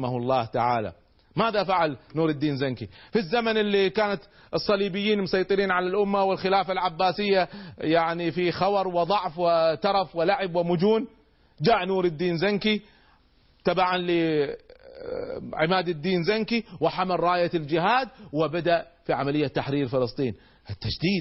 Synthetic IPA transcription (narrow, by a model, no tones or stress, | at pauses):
ahlˤːɑːht̪aʕa̰ːla̰ | maːðafaʕalnuːɾɪd̪ːiːnzaŋkifizːamanɪlːikaːnat̪ | ʔɨsˤːɑliːbɪjːiːnmʊsˤɑjt̪ˤɨɾiːnʕalalʔʊmːawɪlxɪlaːfalʕabːaːsɪjːajaʕnifixɑwɑɾˤwɪðˤɑʕfwɪt̪ɑɾˤɑfwɪlaʕɪbwɪmʊd͡ʒuːn | d͡ʒaːʕnuːɾɪd̪ːiːnzaŋki | t̪abaʕanli | ʕɪmaːd̪ɪd̪ːiːnzaŋkiwɪħamalɾˤɑːjald͡ʒɪɦaːd̪̚wɪbad̪aʔfiʕamalɪjːat̪ːaħɾiːɾfɪlɨsˤt̪ˤiːn | ʔɪt̪ːad͡ʒd̪iːd̪